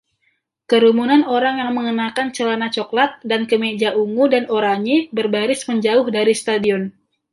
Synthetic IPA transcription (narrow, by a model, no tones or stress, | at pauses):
kəɾumunanoɾaŋjaŋməŋənakant͡ʃəlanat͡ʃoklat̪̚dankəmed͡ʒaʔuŋudanoɾaɲibərbaɾɪsməɲd͡ʒaʊhdaɾist̪adiɔn